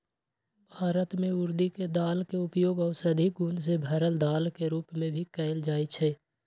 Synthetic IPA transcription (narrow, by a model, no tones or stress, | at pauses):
bʱaːɾət̪mẽʊɾd̪iked̪aːlkeʊpjoːɡɔːsəd̪ʱik̚ɡʊns̬ebʱəɾəld̪aːlkeɾuːpmẽbʱikɛːɪld͡ʒaːit͡ʃʰɛː